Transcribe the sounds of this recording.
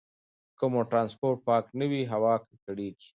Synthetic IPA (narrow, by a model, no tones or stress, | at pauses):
kʊmoʈɾɑːnspoɾʈ̚pɑːknəwiɦawɑkkəɽeɡi̥